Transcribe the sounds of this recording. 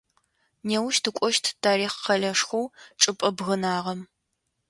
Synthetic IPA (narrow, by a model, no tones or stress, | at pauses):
neːwʊʃtʰɨkʷʼɔʃtʰtʰaːɾiːχqɐɮɐʂxʷowʈ͡ʂʼɨpʼɐbɣɐnaːʁɐm